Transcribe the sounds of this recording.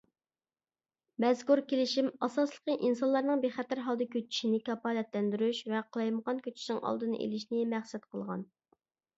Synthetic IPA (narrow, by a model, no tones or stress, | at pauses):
mɛzkuɾkʲelɪʃimɑsɑslˠə̥qəʔinsɑnlˠɑɾnɨŋbeχɛt̪æɾɦɑlˠd̪ɨkʲøt͡ʃʰːi̥ʃinɪkɑpɑːlɛt̪lɛnd̪yɾyʃvɛqʰəlˠɑjməʁɑnkʲʰøt͡ʃʰi̥snɨŋʔɑ̰lˠd̪ɨnɨʔḛlɪʃnɪmæχsɛt̪̚qʰəlˠʁɑ̰n